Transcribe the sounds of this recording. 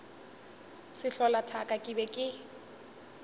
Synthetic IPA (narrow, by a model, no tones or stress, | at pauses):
sɪɬɔlatʰakʼakʼɪbɛkʼɪ